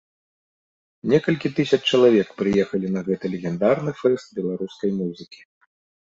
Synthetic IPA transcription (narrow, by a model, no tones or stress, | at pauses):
nʲɛkɐlʲkʲit̪ɨsʲɐt͡ʂːt͡ʃɐlˠavʲɛkpɾɨjɛxɐlʲinɐɣɛt̪ɨlʲɛɣʲɛnd̪arnɨfɛst̪̚bʲɛlˠaɾuskɐjmuzɨkʲi̥